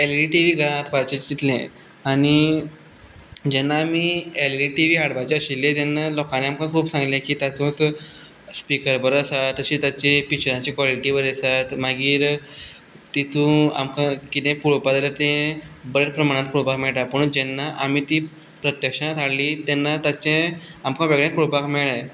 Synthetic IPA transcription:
eliʈiʋiːɡʱəɭãat̪pat͡ɕit͡ɕd͡ʑit̪lḛ̃ | aɽ̃i | d͡ʑɛnːaːmiːeliʈiʋiːɦaɽbat͡ɕeəɕilːẽt̪ɛnːalɔkãneamkãkʰuːbsãŋɡlẽkiːt̪jat͡sũt̪ | spikəɾbəɾəsat̪əɕiːt̪jat͡ɕepikɕɾãt͡ɕikʋaliʈibəɾesat̪maɡiːɾ | t̪it̪ũa̰mkãkit̪ẽpuɭopad͡z̪alaɾt̪ẽbəɾeɾpɾəmaɽ̃ãt̪̚kuɽpakmɛɭʈ̪apəɳd͡ʑɛnːaʔamit̪iː | pɾət̪jəkʂãt̪ʰaɽliːt̪ɛnːat̪at͡ɕẽamkãʋeɡɭẽkuɾopakmɛɭaj

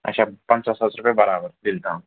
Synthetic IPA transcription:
ə̰ɕapãnasət͡sɾupjebəɾabəɾd̪ilt̪ã

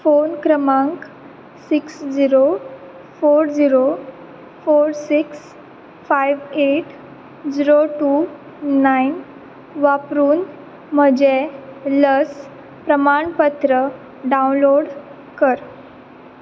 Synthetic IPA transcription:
fonkɾəmãŋk | siksd͡ʑiɾo | foɾd͡ʑiɾo | foɾsiks | fajʋeʈ | d͡ʑiɾoʈu | nain | ʋapɾuːn | m̤əd͡ʑeləs | pɾəmaɳpət̪ɾə | ɖaunloɽ | kəɾ

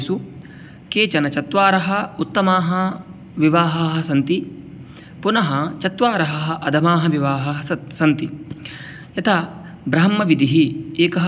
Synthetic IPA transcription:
su | keːt͡ʃɐnɐt͡ʃɐt̪ʋaːɾɐɦɐ̆ut̪ːɐmaːɦɐ | ʋiʋaːɦɐːɦɐsɐnt̪i | punɐɦɐt͡ʃɐt̪ʋaːɾɐɦɐɦɐʔɐd̪ʱɐmaːɦɐʋiʋaːɦɐɦɐsɐsɐnt̪i | jɐt̪ʰɐ | bɾɐɦɐmːɐʋid̪ʱiɦieːkɐɦɐ

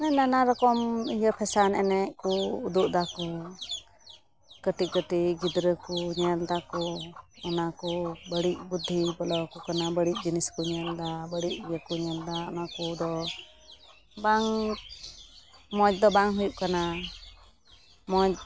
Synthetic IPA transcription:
nɛnanaɾɔkɔmijəpʰɛsanɛ̰nɛʔkuud̪uʔd̪aku | kəʈikəʈiɡid̪ɾəkuɲəld̪akɔɔnakubəɽic̚bud̪ʱːibɔlɔkukanabəɽic̚ˀd͡ʒiniskuɲəld̪abəɽiʔ̚bjəkuɲɛld̪aɔnakud̪ɔ | baŋ | mɔd͡ʒ̚d̪ɔbaŋɦujuʔkana | mɔd͡ʒ

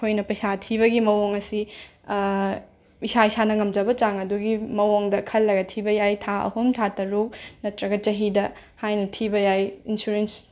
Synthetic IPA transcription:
kʰojnɐpɐjsatʰiβɐɡimɐwoŋɐsi | isaisanɐŋɐmd͡ʒɐbɐt͡ʃaŋɐduɡimɐwoŋdɐkʰɐlːɐɡɐtʰibɐjajtʰaʔɐ̰humtʰatɐɾok̚nɐtɾɐɡɐt͡ʃɐɦidɐ | hajnɐtʰibɐjajinsuɾens

